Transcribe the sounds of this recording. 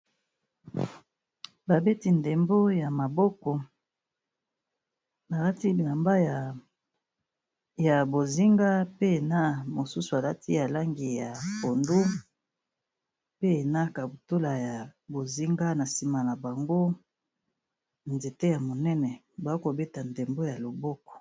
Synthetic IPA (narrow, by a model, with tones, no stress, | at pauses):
ba˨be˦ti˦nde˨mbo˦ja˨ma˨bɔ˦kɔ˨ | ba˨la˦ti˦˨na˨mba˦j | ja˨bo˨zi˦ŋɡa˦pe˦˨na˦mo˨su˦su˨a˨la˦ti˦ja˨la˦ŋɡi˨ja˨po˨ndo˦ | pe˦˨na˦ka˨bu˨to˦la˨ja˨bo˨zi˦ŋɡa˦na˨si˦ma˨na˨ba˨ŋɡo˦ | nze˨te˦ja˨mo˨nɛ˦nɛ˨ | ba˨˦ko˨be˦ta˨nde˨mbo˦ja˨lo˨bɔ˦kɔ̥˨